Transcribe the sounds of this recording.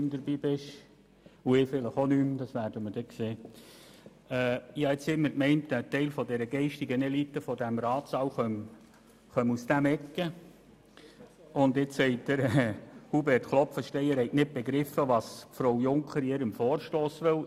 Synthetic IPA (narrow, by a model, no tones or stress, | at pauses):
md̥̪əɾbiːbɪʃ | uɪfɪləχonymd̥ɑsʋæːɾd̥əməɾd̥ɛkseː | ɛːɑɪt͡shɪtməɾkmɛɪntɛtːɛɪlfɔdɛɾəɡ̥ɛɪʃtɪɡənɛlitːəfɔdæmɾɑːtsɑwχœm | χœmusd̥æmɛkːə | ʊndɪt͡ssɛɪt̚dəɾɛhubɛrtχlˠɔpfəʃtɛɪəɾhɛɪtnɪt̚b̥ɛɡɾɪfəʋɑːsfɾowjʊŋkʰəɾɪːɾəmfɔːɾʃtoːsʋɪl